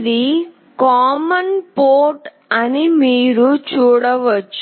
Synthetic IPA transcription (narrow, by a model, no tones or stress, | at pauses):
d̪i | kaːmɐnpoːɾʈ | ɐnimiːɾut͡ʃuːɽɐʋɐt͡ʃː